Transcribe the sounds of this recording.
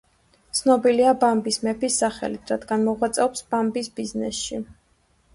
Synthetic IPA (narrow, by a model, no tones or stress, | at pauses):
t̪sʰnɔbiliabambismɛpʰisːaχɛ̰lit̪ʰɾat̪ʰɡanmɔʁwat̪sʼɛɔpsb̥ambisbiznɛsʃi